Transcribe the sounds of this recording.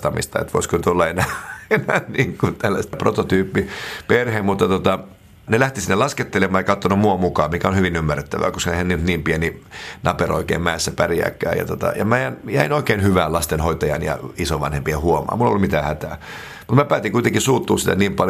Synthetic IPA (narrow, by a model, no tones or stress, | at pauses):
t̪ɑmḭst̪ɑ̰ḛt̪ʋo̰iskonyt̪olːɑenæːenæːniːŋkunt̪ælːæst̪æprot̪ot̪yːpːiperhemut̪ːɑt̪ot̪ɑ | nelæht̪isinːelɑsket̪ːelemɑːjɑkɑt̪ːonomuɑmukɑːmikæonhyʋinymːærːet̪ːæʋæ̰ːkoskɑehænːyt̪niːmpieninɑpero̰ikḛːmmæesːæpæriæ̰kːæ̰ːjɑ̰t̪ot̪ɑ̰jɑmejænjæinoikeːnhyʋæːlɑst̪enhoit̪ɑjɑ̰njɑ̰isoʋʋɑ̰nhempiehuomɑ̰ːmulːolːumit̪æːhæt̪æː | mut̪mæpæːt̪iŋkuit̪eŋkisuːt̪ːuːssit̪æniːmpɑl